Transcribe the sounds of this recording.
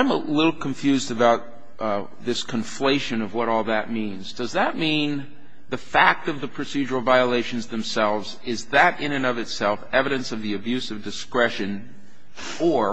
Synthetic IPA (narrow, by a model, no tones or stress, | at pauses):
ɪ̃məlɪɾl̩ˠkʰɨ̃ɱfjʉzdɨbaʊt̪̚ | ðɪskʰɨ̃ɱfleɪʃɨ̃nʌvwʌɾɔlˠðɨt̚mĩnzdʌzðət̚mĩn | ðɨfæk̚tʌvðəpʰɹ̥ɨsid͡ʒə˞l̩ˠvaɪəleɪʃɨ̃n̩zðɨ̃msɛlˠvz | ɪzðɨɾɪ̃nɨ̃nʌvɨtsɛlˠfɛvɨɾɨ̃nsʌvðiɨbjʉsʌvdɨskɹɛʃɨ̃n | ə˞